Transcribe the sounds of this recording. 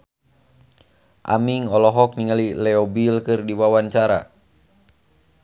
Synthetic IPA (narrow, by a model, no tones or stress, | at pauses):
ʔa̰miŋɔlɔɦɔk̚niŋalilɛɔbilkɨrdiwawant͡ʃaɾa̰